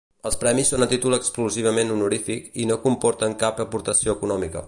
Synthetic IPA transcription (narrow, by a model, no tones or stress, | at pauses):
əlˠspɾɛmisːonət̪it̪ulˠəkskluziβ̞əmenunuɾifikinokumpɔɾt̪əŋkapəpuɾt̪əsioəkunɔmikə̰